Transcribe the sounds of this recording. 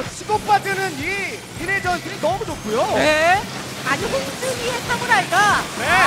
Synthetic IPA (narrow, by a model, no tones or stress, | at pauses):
t͡ɕʰiɡop͈adɯnɯni | iɾed͡ʑʌnsʰɯɾinʌmunop̚k͈ʰujoe | aɲiɦoŋd͡ʑɯɲiɦesʰamuɾaiɡane